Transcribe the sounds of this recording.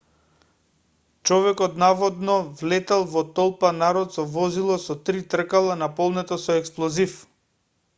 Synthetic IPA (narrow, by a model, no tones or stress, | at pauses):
t͡ʃɔvɛkɔt̪navɔd̪nɔvlɛt̪alˠvɔt̪ɔlˠpanaɾɔt̪sɔvɔzilˠɔsɔt̪ɾit̪r̩kalˠanapɔlˠnɛt̪ɔsɔɛksplˠɔzif